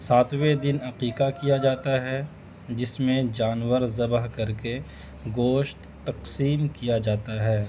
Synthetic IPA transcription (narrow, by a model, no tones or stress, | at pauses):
saːt̪wed̪ɪnɐqiːqakijad͡ʒaːt̪aɦɛ | d͡ʒɪsmẽd͡ʒaːnwəɾzɐbəɦkɐɾke | ɡoːʃt̪ːɐqsiːmkijad͡ʒaːt̪aɦɛː